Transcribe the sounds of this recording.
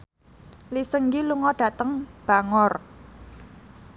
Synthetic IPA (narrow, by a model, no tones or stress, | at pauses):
lisəŋɡiluŋɔɖ̥ä̤t̪əŋb̥a̤ŋɔr